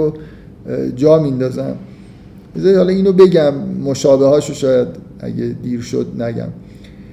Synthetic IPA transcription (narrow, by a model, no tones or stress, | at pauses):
o | d͡ʒɒːmind̪ɒːzæm | bezæhɒlɒiːnobe̞ɟæmːoʃɒːbehɒːʃoʃɒːjæd̪ | æ̰ɟed̪iːɾʃo̰d̪̚næɟæ̰m